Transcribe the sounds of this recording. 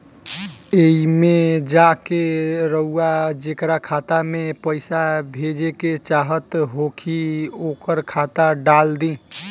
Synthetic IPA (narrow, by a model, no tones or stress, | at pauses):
eimed͡ʒakeɾəɦuad͡ʒekɾakʰat̪amepəɪsabʱed͡ʒeket͡ʃaɦət̪ɦokʰiokəɾkʰat̪aɖald̪ĩ